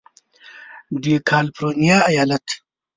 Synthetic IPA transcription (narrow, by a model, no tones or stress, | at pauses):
d̪ikʰaːlpɾoːnijaːɐjaːlɐt̪